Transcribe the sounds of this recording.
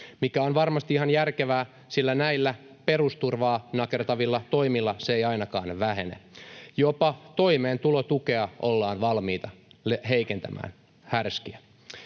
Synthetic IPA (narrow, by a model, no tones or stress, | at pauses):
mikæonʋɑrmɑst̪iihɑnjærkeʋæː | silːænæilːæ | pe̞rust̪urʋɑːnɑkert̪ɑʋilːɑt̪o̞imilːɑseejɑinɑkɑːnʋæɦenḛjopɑt̪oimeːnt̪ulot̪ukeɑʔo̞lːɑːnʋɑlmiːt̪ɑleɦeikent̪æ̰mʔæ̰ːn | hærskiæ